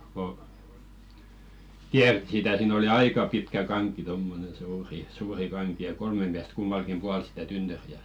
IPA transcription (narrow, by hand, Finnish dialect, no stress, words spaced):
ko kiærtĭ sitæ siːn oli ɑikɑ pitkæ kɑŋkˑi tomːonen̞ suːri suːri kɑŋki jɑ kolme miæst kumːɑlkim puɑl sĭtæ tynːøriæ